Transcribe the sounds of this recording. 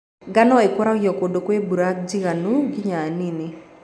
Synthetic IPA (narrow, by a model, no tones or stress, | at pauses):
ɡanɔekɔɾaujɔkodokwebuɾak̚d͡ʒiɣanuɡɪɲanini